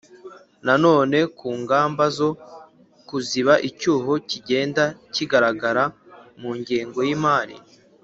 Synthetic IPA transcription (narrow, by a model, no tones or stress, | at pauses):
nano̞ːne̞kuːŋɡaːmbazo̞ | kuziβaʔicuːɦo̞ciɟe̞ːndaciɡaɾaɡaɾa | muːɲɟiːŋɡo̞jimaːɾḭ